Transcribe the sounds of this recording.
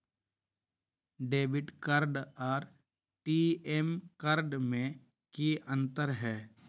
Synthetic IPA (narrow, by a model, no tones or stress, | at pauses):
ɖeːbɪʈkəɾɖɔːɾ | ʈiemkəɾɖmẽ | kiʔə̃nt̪əɾɦɛː